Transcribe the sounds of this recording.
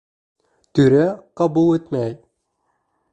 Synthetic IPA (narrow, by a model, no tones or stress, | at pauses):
t̪yɾæqɑbulˠet̪mæj